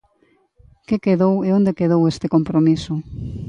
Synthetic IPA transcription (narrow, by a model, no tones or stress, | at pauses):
kekeðoweond̪ekeðowest̪ekompɾomisʊ